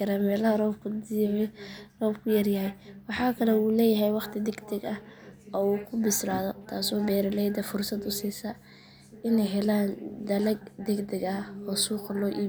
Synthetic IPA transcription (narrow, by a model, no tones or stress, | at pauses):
ɐɾaːmɛːlɐɦɐrɔːbkʰʊ | rɔːbkʰʊjɐrjɐɦɛjwɑħɑːkʰɐlɛuːlɛːjɐɦɛjwɑχt̪ʰɪd̪ɛɡd̪ɛɡɐɔuːkʰʊbɪslaːðɔt̪ʰaːsɔːbɛːɾɐlɛjd̪ɐfʊrsɐd̪ʊsiːsɐ | ɪnɛjɦɛlaːnd̪ɐlɐɡ̚d̪ɛɡd̪ɛɡɐhɔsuːqɐlɔːʔiː